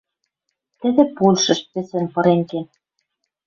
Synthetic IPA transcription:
t̪ɘ̆d̪ɘ̆pulʲʃɤ̆ʃpɘ̆sĕnpɤ̆ɾeŋken

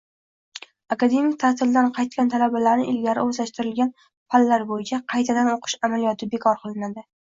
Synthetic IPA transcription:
akad̪e̞mɪk̚ʲt̪ʰat̪ʰɪld̪anqʰɑjt̪̚kʲant̪ʰalabalaɾnɪ̰ɪlɡʲaɾɪɵzlaʃt̪ɪɾɪlɡʲan | falːaɾbojɪt͡ʃʰaqʰɑjt̪ʰad̪anoqʰɨ̥ʃamalijɒt̪ʰɪbe̞kʰɒɾqʰɨlˠɪnad̪ɪ

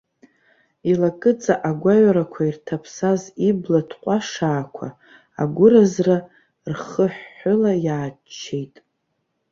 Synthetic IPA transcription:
ilakʼɨt͡sʼaʔaɡʷaɥaɾakʷʰairtʰapʰsaziblatʰqʷʼaʂaːkʷʰa̰ | a̰ɡʷʊɾazra | rχəħːʊlajaːt͡ʃʰːejtʼ

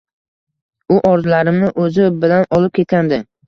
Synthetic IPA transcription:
ʊʔɒɾzlaɾɪmnɪʔɵzɪbɪlanɒlɪp̚kʲet̪̚kʲand̪ɪ

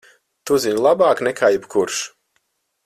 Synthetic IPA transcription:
t̪uziɲʲlˠabaːknɛkʰaːjɛbkuɾʃ

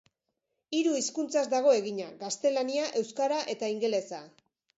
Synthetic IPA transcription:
iɾuiskunt͡sazd̪aɣ̞o̞e̞ɣiɲaɣast̪e̞laniaʔe̞wskaɾaʔe̞t̪aiŋɡe̞le̞sa

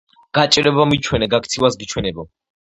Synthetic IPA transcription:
ɡ̥at͡ʃʼɾɛbamit͡ʃʰwɛnɛɡakt̪sʰivasɡit͡ʃʰwɛnɛbɔ

